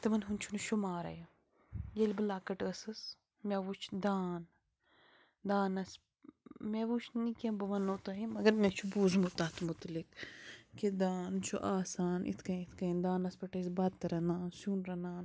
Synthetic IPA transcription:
t̪ɐmɐnɦunʲt͡ʃʰunuʃumaːɾɐ̰ja | jelbɨlaːkɐʈɐsɨs | mʲeʋut͡ʃʰd̪aːn | d̪aːnɐs | meʋut͡ʃʰnikɐ̃bɐʋɐnːot̪ɐɦimɐɡɐɾmɛ̃t͡ʃʰubuːzmut̪aːt̪mʊt̪likː | ed̪aːnt͡ʃʰṵʔaːsaːnḭt̪ʰkɐit̪ʰkɐnd̪aːnɐspɐʈɐsbat̪̚t̪ɐɾɐnaːnsunɾɐnaːn

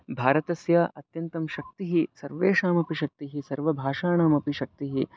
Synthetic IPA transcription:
bʱaːɾɐt̪ɐsjaːʔɐt̪jɐnt̪ɐmʃɐk̚t̪iɦisɐɾʋeːʂaːmɐpiʃɐk̚t̪iɦisɐɾʋɐbʱaːʃaːɳaːmɐpiʃɐk̚t̪iɦi

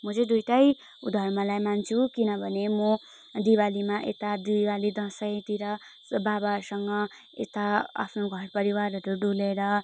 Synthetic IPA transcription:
mʌd͡zed̪ujʈaj | ṵd̪ʱʌrmʌlajmant͡sʰukinʌbʱʌnemo | d̪iwalimaʔḛt̪ad̪uwalid̪ʌsʌjt̪iɾʌ | babaʌɾsʌŋʌ | ḛt̪aa̰pʰnoɡʱʌrpʌɾiwarʌɾuɖuleɾʌ

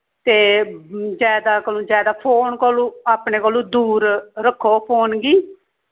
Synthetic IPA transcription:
t̪eːd͡ʒjaːd̪aːkəlõːd͡ʒjaːd̪aːpʰoːnkoːlũːaːpneːkəːlũːd̪uːɾɾəkʰːoːpʰoːnɡiː

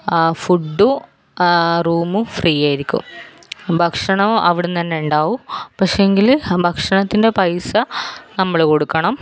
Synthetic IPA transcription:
fuɖːu | ruːmufriːjaːjiɾikʲːṵm | bʱɐkʂɐɳɐʋɐʋiɽent̪ɐnːe̞uɳɖaːʋupɐkʂeeŋɡilbʱɐkʂɐɳɐt̪ːinde̞pɐjsɐnɐmːɐɭko̞ɽukːɐɳɐm

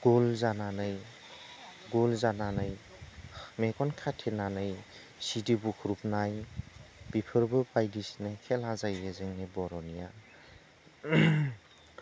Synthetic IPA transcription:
ɡ̥olzananɯj | ɡolzananɯj | mekɔnkʰatʰenanɯj | sidibukʰuɾup̚naj | b̥ipʰɯɾbɯbajdisnɯjkʰelazajbezeŋnibɔɾɔnija

